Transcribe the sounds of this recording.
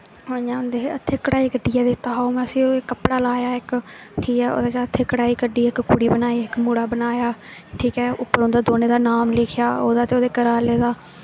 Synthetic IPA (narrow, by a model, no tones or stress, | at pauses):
ɦoːãːʊnd̪eːət̪ʰːeːkəɽaːiːkəɖiːɛːd̪eːt̪aːoːmɛ̃ːəsĩːoːekəpɽaːlaːjaːɪk | ʈʰiːkɛːo̰ːd̪aːt͡ʃaːət̪ʰːeːkəɽaːiːkəɖiːɪkkʊɽiːbənaːiːɪkmuːɽaːbənaːjaːʈʰiːkɛːʊpːəɾõːnd̪aːd̪oːneːd̪aːnaːmleːkʰjaːo̰ːd̪aːt̪eoːd̪eːkəɾaːleːd̪aː